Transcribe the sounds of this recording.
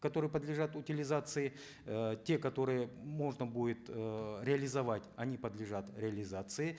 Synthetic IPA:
kɐt̪o̞ɾɨjəpəd̪lʲɪʐat̪ʊtʲɪlʲɪzat̪sɨɪ | tʲe̞kɐt̪o̞ɾɨjəmo̞ʐnəbudʲɪt̪ɾʲɪɐlʲɪzɐvatʲɐnʲipəd̪lʲɪʐat̪ɾʲɪɐlʲɪzat̪sɨɪ

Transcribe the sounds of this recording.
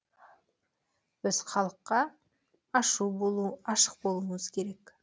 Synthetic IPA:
bɪz̥χɑlˠəqːɑː | ʃubo̞lˠuɑʃə̥q̚bo̞lˠuməz̥kʲʰe̞ɾe̞k

